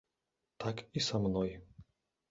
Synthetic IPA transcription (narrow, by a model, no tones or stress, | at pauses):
t̪akisamnɔj